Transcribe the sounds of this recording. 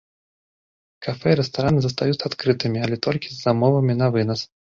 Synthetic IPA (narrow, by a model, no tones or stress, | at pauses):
kʰafɛiɾɛst̪aɾanɨzɐst̪ajut̪sat̪kɾɨt̪ɨmʲiɐlʲɛt̪ɔlʲkʲizːamɔvɐmʲinɐvɨnɐs